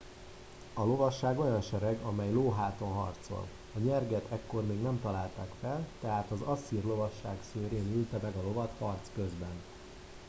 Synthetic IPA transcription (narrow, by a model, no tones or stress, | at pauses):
ɒlo̞vɒʃːaːɡojɒnʃɛɾɛɡɒmɛjloːɦaːt̪o̞nɦɒ̰rt̪so̞̰l | ɒɲɛrɡɛt̪ʰɛkːo̞rmeːɡnɛmt̪ɒlaːlt̪aːkfɛlt̪ɛɦaːt̪ɒzɒsiːrlo̞vɒʃːaːksøːɾeːnylt̪ɛmɛɡɒlo̞vɒt̪hɒrt̪skø̞zbɛn